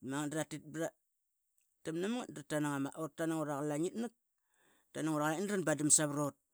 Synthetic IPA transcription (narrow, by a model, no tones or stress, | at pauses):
maŋandɾatit̚bɾa | tamnamŋadɾatanaŋamaʔotanaŋoɾaklaŋitnak̚ | tanaŋoɾalaindɾanbadamsaβɾot̚